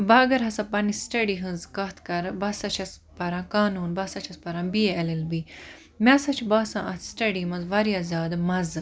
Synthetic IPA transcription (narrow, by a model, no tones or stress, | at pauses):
baːɡɐɾɦɐsapɐnisʈɐɖiːɦɨ̃nzkɐt̪ʰkɐɾbɐsɐt͡ʃʰɐs | pɐɾãːkaːnuːnbɐsɐt͡ʃʰɐspɐɾãːbijeɐlilbi | mʲaːsɐt͡ʃʰbɐːsã̰ːʔɐt̪ʰsʈɐɖiːmɐzʋɐɾjaːzʲaːd̪mɐz